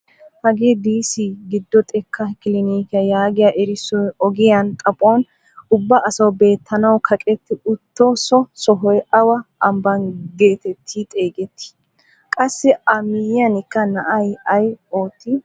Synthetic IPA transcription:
hɐɡeːd̪iːsiːɡɪd̪ːɔt̪ʼɛkʰːɐkɪlɪniːkɪjɐjaːɡɪjɐʔɛɾɪsːɔjɔɡɪjɐnt̪ʼɐpʼoːn | ʊbːɐʔɐsɐwbe̞ːt̪ʰːɐnɐwkʰɐkʼɛt̪ːɪʊt̪ːosɔsɔɦɔjɐwɐʔɐmbɐnɡe̞ːt̪ɛt̪ʰːiːt̪ʼe̞ːɡɛt̪ʰːɪ̥ | kʼɐsːɛɐmɪjjɐnɪkːɐnɐʔɐjɐjoːt̪ːi

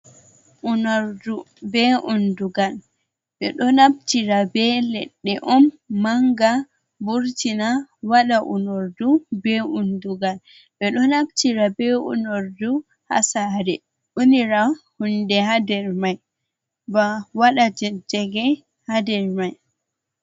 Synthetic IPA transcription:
ʔunoɾdu | bɛʔunduɡal | ɓɛ̰ɗɔnabtiɾabɛlɛ̰ɗːɛʔɔmː | aŋɡa | buɾtinawaɗaʔṵnoɾdubɛunduɡal | ɓɛɗɔnabtiɾabɛṵnoɾdu | ha̰saɾɛ | ʔuniɾahundɛhadɛɾmaj | bawaɗad͡ʒɛd͡ʒɛɡɛ | hadɛɾmaj

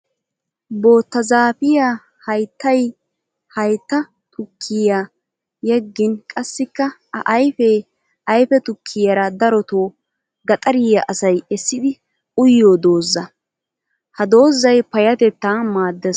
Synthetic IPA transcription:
bo̞ːt̪ːɐzaːpɪja | hɐjt̪ːɐj | hɐjt̪ːɐ | t̪ʰʊkʰːɪja | jɛɡːɪnkʼɐsːɪkːɐɐ̰ʔɐjfɛ | ɐjfɛt̪ʊkʰːɪjɐɾɐd̪ɐɾɔt̪oː | ɡɐt̪ʼɐɾɪjɐʔɐsɐjɛsːɪd̪ɪ | ʊjːoːd̪o̞ːzːɐ | hɐd̪o̞ːzːɐjpɐjɐt̪ɛt̪ːaːmaːd̪ːɛ

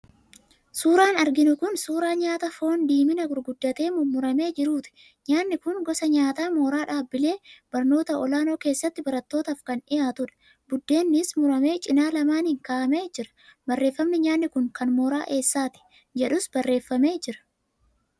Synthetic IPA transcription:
suːɾaːnɐɾɡɪnʊkʊnsuːɾaːɲaːt̪ɐfo̞ːnd̪iːmɪnɐɡʊɾɡʊd̪ːɐt̪e̞ːmʊmʊɾɐme̞ːd͡ʒɪɾuːt̪ɪ̥ | ɲaːnːɪkʊnɡɔsɐɲaːt̪aːmo̞ːɾaːᶑaːbːɪle̞ːb̥ɐɾno̞ːt̪ɐʔɔlaːno̞ːke̞ːsːɐt̪ːɪbɐɾɐt̪ːo̞ːt̪ɐːfkɐnɪjaːt̪ʊᶑɐ̥ | bʊd̪ːe̞ːnːɪsmʊɾɐme̞ːt͡ʃʼɪnaːlɐmaːnɪŋkaːɐme̞ːd͡ʒɪɾɐ̥bɐrːe̞ːfːɐmnɪɲaːnːɪkʊŋkɐnmoːɾa̰ːʔe̞ːsːaːt̪ɪ̥ | d͡ʒɛᶑʊsbɐrːe̞ːfːɐme̞ːd͡ʒɪɾɐ̥

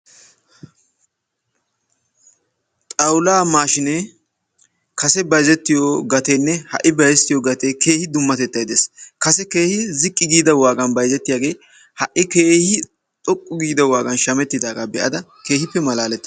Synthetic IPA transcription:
t̪ʼɐwlaːmaːʃɪne | kɐsɛbɐjzɛt̪ːɪjoɡɐt̪ɛnːɛhɐ̰ʔɪbɐjɛst̪ːɪjoɡɐt̪eke̞ːhɪd̪ʊmːɐt̪ɛt̪ːɐjd̪eːskɐsɛke̞ːhɪzɪkʼːɪɡiːd̪ɐwaːɡɐnbɐjzɛt̪ːɪjaːɡe̞ː | hɐʔːɪke̞ːhɪ | t̪ʼɔkʼːʊɡiːd̪ɐwaːɡɐnʃɐmɛt̪ːɪd̪aːɡaːbɛʔɐ̰d̪ɐ | ke̞ːhɪpːɛmɐlaːlɛt̪ːɐ

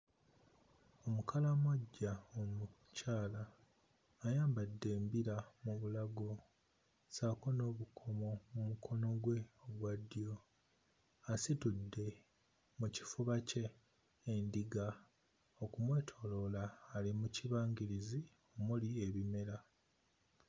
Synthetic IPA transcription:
o̞mukʰalamwoɟːaomu | caːlaː | jaːmbadːe̞ːmbiɾamuβulaɡo̞ | saːko̞no̞ːβukʰo̞mo̞mumukʰo̞no̞ɡwe̞oβwadjo̞ | asitudːe̞ | muci̥fuβace̞ː | ndiɡa | okumwe̞ːtʰo̞lo̞laːlimuciβaːŋɡiɾizi | omulieβime̞ɾa

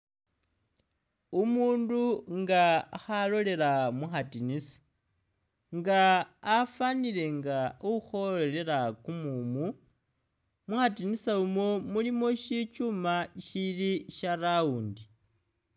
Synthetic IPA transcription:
umuːnduŋɡaːxalo̞le̞ɾamuxatinisḁ | ŋɡaːfanile̞ŋɡauuxo̞ele̞ɾakumumu | muxatinisaumo̞mulimo̞ʃit͡ʃumaʃiliʃarauːndi

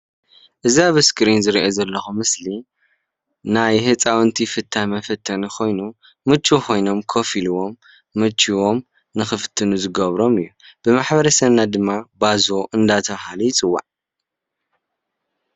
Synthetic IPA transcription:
ʔɨziaβɨskʰɾinzɨɾiʔozɐlːɐxumɨsli | najhɨt͡sʼawnt̪ʰifɨt̪ʰːamɐfɐt̪ʰːɐnikʰo̞jnu | mɨt͡ʃʼːuxʰo̞jno̞mkʰo̞filuwo̞mː | ɨt͡ʃʼːiwo̞m | nɨxɨfɨt̪ʰːɨnuzɨɡɐβɾo̞mɨjːub̥ɨmaħbɐɾɐsɐβnad̪ɨmːabazoʔɨnd̪at̪ʰɐβhalujɪt͡sʼɨwːa̰ʕ

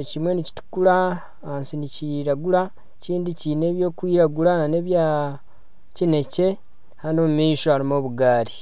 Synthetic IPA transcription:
cimwe̞nici̥tu̥kula | hansiniciɾaɡuɾa | ciːndicine̞ːβjo̞ːkwiːɾaɡulanane̞ːβja | cine̞ce̞ | hanomumiːʃo̞aɾimo̞βuɡaːɾi

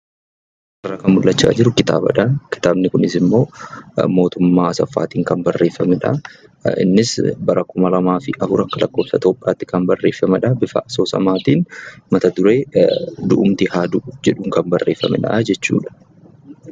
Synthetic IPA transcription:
ʔɐrːɐkɐnmʊlːɐt͡ʃːa̰ːd͡ʒɪɾʊkɪt̪a̰ːbɐ̰ᶑɐkɪ̥t̪aːbnɪkʊnɪsɪmːo̞ːmo̞ːt̪ʊmːaːɐsɐfːa̰ːt̪iːŋkɐnbɐrːe̞ːfɐmɛᶑɐ̰ɪ̰nːɪsbɐɾɐkʊmɐlɐmaːfɪʔɐfʊɾɐkːɐlɐkːo̞ːbsɐt̪o̞ːpʼːa̰ːt̪ːɪkɐnbɐrːe̞ːfːɐmɐᶑɐbɪfɐ̰ʔɐsoːsɐ̰maːt̪iːnmɐt̪ɐd̪ʊɾeːd̪ʊʔʊmt̪ɪhaːd̪ʊd͡ʒɛᶑʊŋkɐnbɐrːe̞ːfːɐ̰mɛ̰ᶑɐ̰d͡ʒɛt͡ʃːṵːᶑɐ̥

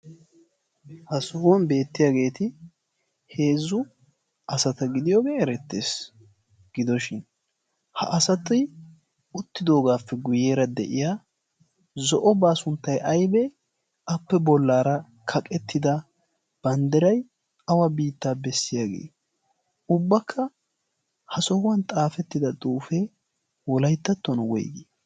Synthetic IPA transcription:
hɐsuːwɐnbe̞ːt̪ːɪjaːɡe̞ːt̪ɪ | he̞ːzːʊ | ʔɐsɐt̪ɐɡɪd̪ɪjoːɡeːɛɾɛt̪ːeːs | ɡ̥ɪd̪ɔʃɪn | hɐ̰ʔɐsɐt̪ɪ | ʊt̪ːɪd̪o̞ːɡaːfːɛɡʊje̞ːɾɐd̪ɛ̰ʔɪjaː | zɔʔɔbaːsʊnt̪ːɐjʔɐjbɛ | ɐpːɛbɔlːaːɾɐ | kʰɐkʼɛt̪ːɪd̪ɐ | b̥ɐnd̪ɛɾɐj | ɐwɐbiːt̪ːaːbɛsːɪjaːɡḛː | ʊbːɐkʰːɐ | hɐsɔhʊwɐnt̪ʼaːfɛt̪ːɪd̪ɐt̪ʼuːfe | wɔlɐjt̪ːɐt̪ːɔnwɔ̰jɡi

